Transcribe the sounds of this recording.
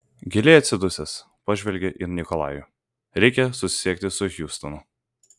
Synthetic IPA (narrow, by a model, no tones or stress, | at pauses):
ɡʲɪlʲɪɐt̪ʲsʲɪd̪ʊsʲɛs | pɑʒʲʋʲɛlʲɡʲɛʔɪnʲɪkɔlˠɑ̰ːjʊ | ɾʲɛɪkʲɛsʊsʲɪ̥sʲiɛk̚t̪ʲɪsʊxʲjuːst̪ɔnʊ